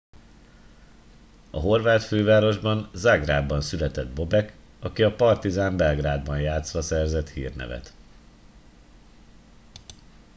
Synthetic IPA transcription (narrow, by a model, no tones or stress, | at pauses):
ɒɦo̞rvaːt̪føːvaːɾo̞ʒbɒnzaɡraːb̪ːɒnsylɛt̪ɛd̪̚bo̞bɛk | ɒkiɒpɒrt̪izaːmbɛlɡraːd̪bɒnjaːt̪sʋɒsɛrzɛt̪hḭːrnɛ̰vɛ̰t̪